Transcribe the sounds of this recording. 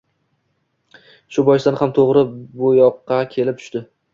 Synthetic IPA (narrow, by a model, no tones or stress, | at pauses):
ʃʊbɒjɪsd̪anhamt̪ʰoʁɾɪbʊjɒqʰːɑkʲʰe̞lɪp̚t̪ʰʊ̥ʃt̪ɪ